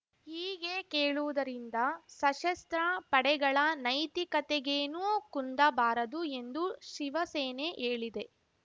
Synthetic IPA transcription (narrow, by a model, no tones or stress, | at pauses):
hiːɡekeːɭuʋud̪ɐɾind̪ɐsɐʃɐst̪ɾɐpɐɽɛɡɐɭɐnɐjt̪ikɐt̪ɛɡeːnuːkund̪ɐbaːɾɐd̪ue̞nd̪uʃiʋɐseːneʔeːɭid̪e̞